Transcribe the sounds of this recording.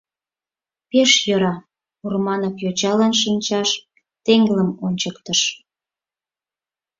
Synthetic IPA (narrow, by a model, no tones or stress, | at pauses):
peʃjøɾɑ | urmɑnəkjot͡ɕɑlɑnʃ̬ənʲt͡ɕɑʃ | t̪eŋɡələmonʲt͡ɕəkt̪əʃ